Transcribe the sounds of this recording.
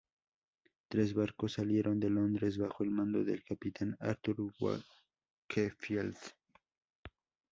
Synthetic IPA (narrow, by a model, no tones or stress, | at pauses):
t̪ɾe̞zβaɾkosːalje̞ɾʔo̞nd̪e̞lo̞nd̪ɾe̞zβaxo̞elmãnd̪o̞̰ðḛlkapit̪ʰana̰ɾt̪uɾɡwa̰ | kʰefjelt̪